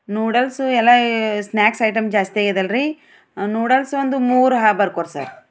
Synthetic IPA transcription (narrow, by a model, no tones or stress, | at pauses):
nuːɽɐlsuɛlːɐsnjaːksɐjʈɐmd͡ʒaːst̪iaːɡid̪ɐlɾi | nuːɽɐlsond̪umuːɾɦaːbɐɾkoːɾsa̰ɾ